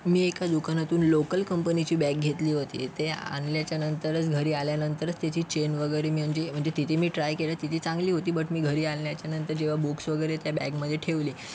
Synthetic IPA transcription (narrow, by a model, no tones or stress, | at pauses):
miːekad̪ukanat̪uːnlokəlkəmpənit͡ɕiːbæk̚ɡʱet̪liːɦot̪ḭːt̪ea̰nljat͡ɕjanənt̪əɾət͡sɡʱəɾiːaljanənt̪əɾət͡st̪jat͡ɕiːt͡ɕenʋəɡəjɾemi̤əɳd͡zem̤əɳd͡zet̪it̪ʰimiːʈɾajkelat̪it̪ʰiːt͡sãŋɡliːɦot̪iːbəʈmiːɡʱəɾiːalljat͡ɕjanənt̪əɾd͡ʑeʋ̤abuksʋəɡəjɾet̪jabæɡməd̪ʱːjeʈʰeʋliː